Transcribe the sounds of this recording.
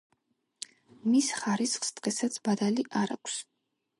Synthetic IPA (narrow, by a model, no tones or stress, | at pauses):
misχaɾisχst̪ʼqʼɛsat̪sʰbad̪aliʔaɾa̰kʷʰs